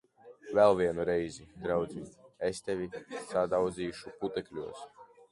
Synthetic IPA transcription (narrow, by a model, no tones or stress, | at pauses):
vɛlˠvʲiɛnuɾɛjzid̪ɾawd̪ziːest̪ɛvʲisad̪awd̪ziːʃuput̪ɛklʲuɔs